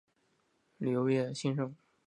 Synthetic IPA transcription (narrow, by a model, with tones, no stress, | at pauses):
ly˨˩jo˧˥ʊjɛ˥˩ɕi˥nʂɤ˥˩ŋ